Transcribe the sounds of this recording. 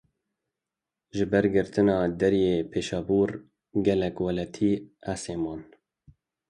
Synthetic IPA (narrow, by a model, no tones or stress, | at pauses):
ʒɪbɛɾɡɨɾt̪ɨnɑːd̪ɛɾjeːpʰeːʃɑːbuːɾ | ɡɛlɛkwɛlɛt̪ʰiːʔæseːmɑːn